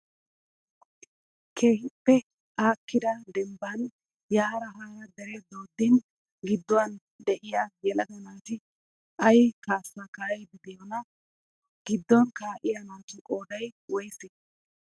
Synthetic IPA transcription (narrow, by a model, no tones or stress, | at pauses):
kʰeːhɪpːɛ | ʔaːkːɪd̪ɐd̪ɛmbɐn | jaːɾɐɦaːɾɐd̪ɛɾɛd̪o̞ːd̪ːɪn | ɡɪd̪ːɔwɐn | d̪ɛʔɪjɐjɛlɐd̪ɐnaːt̪ɪ | ʔɐjkaːsːɐkajbɪd̪ɪjɔnɐ | ɡ̥ɪd̪ːɔnkaːʔɪjɐnaːt̪ʊkʼo̞ːd̪ɐjwɔjsɪ